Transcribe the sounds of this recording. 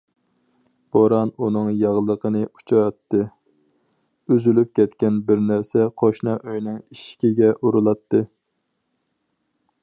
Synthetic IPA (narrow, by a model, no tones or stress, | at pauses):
b̥oɾɑnunɨŋjɑʁlˠəqʰənɨu̥t͡ʃʰɑjɑt̪ʰːɨ | yzylyp̚kʲɛt̪kʲɛnbɪɾnæɾsɛqʰoʃnɑʔøjnɨŋiʃkʲiɡʲɛʔuɾɨlˠɑt̪ʰːɨ